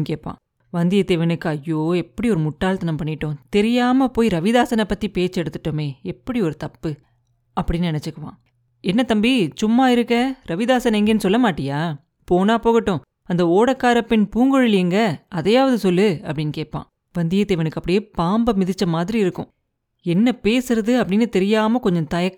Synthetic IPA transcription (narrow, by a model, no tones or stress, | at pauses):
keːpːã̰ː | ʋɐnd̪ɪjɐt̪ːeʋɐnɯkːɯɐjːoːɛpːɐɽiɔɾɯmʊʈːaːlt̪ɐnɐmpɐɳːɪʈːʊ̃t̪ɛɾɪjaːmɐpoːjɾɐʋɪðaːsɐnɐpːɐt̪ːipeːt͡ʃːɛɽɯt̪ːɯʈːomeːɛpːɐɽiɔɾɯt̪ɐpːɯ | ɐpːɐɽɪnːnɪnɛt͡ʃːɯkːɐʋã̰ː | ɛnːɐt̪ɐmbisʊmːaːɪɾɯkːɐɾɐʋɪðaːsɐnɛŋɡɐnːɯsɔlːɐmaːʈːɪjaː | poːnaːpoːɣɪʈːʊ̃ | ɐnd̪ɐoːɽɐkːaːɾɐpːɪnpuːŋɡɔɻɯlɪjŋɡɐɐðɐjːaːʋɐðɯsɔlːɯɐpːɐɽɪnːkeːʈ̚pːã̰ː | ʋɐnd̪ɪjɐt̪eːʋɐnɯkːɐpːɐɽɪjeːpaːmbɐmɪðɪt͡ʃːɐmaːðɪɾiɪɾɯkːʊ̰̃ | ɛnːɐpeːsɯɾɐðɯɐpːɐɽɪnːɯt̪ɛɾɪjaːmɐkɔɲd͡ʒɔ̃nt̪ɐjɐ